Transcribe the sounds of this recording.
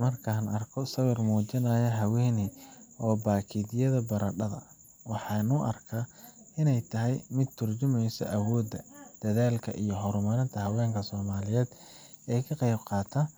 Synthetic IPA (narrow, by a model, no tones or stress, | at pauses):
mɐrkʰaːnɐrkʰɔsɐwɪrmuːt͡ʃɪnɐːjɐɦɐwɛːniɔːbaːkʰidɪjɐðɐbɐɾɐɖɐðɐ̰ | wɑħɑːnʊʔɐ̰rkʰaː | ɪnɛjt̪ʰɐɦɛjmɪd̪̚t̪ʰʊrt͡ʃʊmɛjsɔ̰ʔɐwɔːd̪ɐd̪̥ɐðaːlkʰɐʔijɔɦɔɾmɐɾɪnt̪ʰɐɦɐwɛːŋkʰɐsɔːmaːlɪjɛːd̪ | ɛːjkʰɐqɑjbqɑːt̪ʰɐ